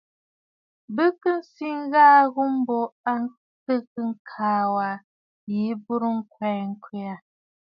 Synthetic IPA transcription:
bɨ˦kɨ˦n̩˦si˦ŋ̩˦ɣaː˦ɣu˦m̩˦bo˦a˦ŋ˦ | sɨ˦kɨ˦ŋ̩˦kʰaː˦wa˨ | ji˨˦bu˦ɾu˦ŋ̩˦kwɛ˨ŋ̩˦kwi˦a˨

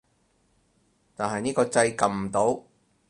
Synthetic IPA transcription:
t̪aː˨nɦɐ˨jniː˥kɔː˧t͡sɐ˧jkɐ˨˩mm̩˨˩t̪o˨˥w

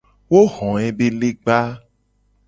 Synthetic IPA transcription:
wo˦ɣɔ̃˨ẽ˨be˦le˦ɡ͡ba˦

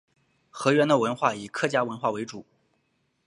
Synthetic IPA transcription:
xɤ˧˥ɥɛ˧˥nd̪ə˨wə˧˥nxwa˥˩i˨˩kʰɤ˥˩t͡ɕja˥wə˧˥nxwa˥˩we˧˥ɪʈ͡ʂu˨˩˦

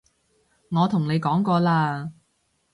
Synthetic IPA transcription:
ŋɔː˨˧t̪ʰʊ˨˩ŋne˨˧jkɔː˨˥ŋkɔː˧laː˧

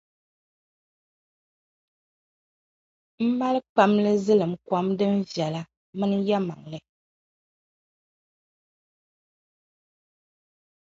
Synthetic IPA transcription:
m̩˦ma˦lk͡pa˦mlɨ˦zɨ˦lɨ˨m̩˦kwa˦mdɨ˦m̩˦vjɛ˨la˦ | mɨ˦nja˦ma̰˨ŋlɨ˨

